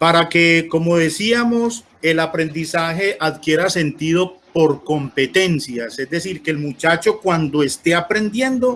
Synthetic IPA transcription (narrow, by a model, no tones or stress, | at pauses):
paɾake̞ko̞mo̞ðe̞siamo̞s | elapɾe̞nd̪isaxe̞ʔaðkje̞ɾase̞nt̪iðo̞po̞ɾko̞mpe̞t̪e̞nsjase̞zd̪e̞siɾkelmut͡ʃat͡ʃo̞kwand̪o̞e̞st̪e̞apɾe̞nd̪je̞nd̪o̞